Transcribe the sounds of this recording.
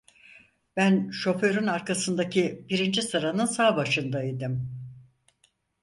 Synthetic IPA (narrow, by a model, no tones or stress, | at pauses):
b̥ænʃo̞fø̞ɾynaɾkʰasɯnd̪acʰibiɾind͡ʒisɯɾanɯnsaːbaʃɯnd̪aid̪im